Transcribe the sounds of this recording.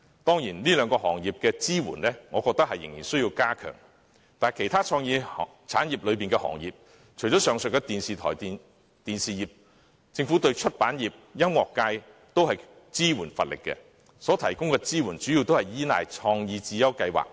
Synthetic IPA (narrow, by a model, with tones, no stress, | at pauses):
t̪ɔː˥ŋjiː˨˩nliː˥lœː˨˧ŋkɔː˧ɦɔː˨˩ŋjiː˨˩p̚kɛː˧t͡siː˥wṵː˨˩nlɛ˥ŋɔː˨˧kɔː˧k̚t̪ɐ˥k̚hɐ˨jːɪ̰˨˩ŋjiː˨˩nsɵ˥ɥji˧wkaː˥kʰœ̰ː˨˩ŋ | t̪aː˨˩jkʰe˨˩jt̪ʰaː˥t͡ʃʰɔː˧ŋjiː˧ | t͡sʰa̰ː˨˥njiː˨˩p̚lɵ˨˧ɥp̬iː˨nkɛː˧hɔ̰ː˨˩ŋjiː˨p̚ | t͡ʃʰɵ˨˩jt͡ʃɔː˨˥sœː˨˩ŋsɵ˨kːɛ˧t̪iː˨nsiː˨t̪ʰɔː˨˩ji˨ | t̪iː˨nsiː˨jiː˨p̚ | t͡sɪ˧ŋfu˨˥t̪ɵ˧ɥt͡ʃʰɵ˥t̚paː˨˥njiː˨p̚jɐ˥mŋɔː˨kːaː˧j | t̪o˥whɐ˨j | t͡siː˥wuː˨˩nfɐ̰˨t̚lɪ̰˨˩kːɛ̰˧ | sɔː˨˥t̪ʰɐ˨˩jkʊ˥ŋkɛː˧t͡siː˥wuː˨˩nt͡ʃyː˨˥ji˨wt̪o˥whɐ˨˩jjiː˨˥na̰ː˨jt͡ʃʰɔː˧ŋjiː˧t͡siː˨jɐ˥wkɐ˧jwa̰ː˨k̚